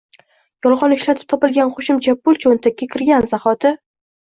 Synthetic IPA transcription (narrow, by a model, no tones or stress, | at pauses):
jɒlˠʁɒnɪʃlat̪ʰɪ̥p̚t̪ʰɒpɪlɡʲanχoʃɪmt͡ʃʰabʊlˠt͡ʃʰont̪ʰakʲʰːakʲʰɪɾɡʲanzaχɒt̪ʰɪ